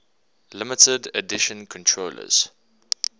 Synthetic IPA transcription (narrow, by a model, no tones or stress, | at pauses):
lɪmɪtədə̰dɪʃə̃nkʰɔ̃ntʰɹoːlə̰z̥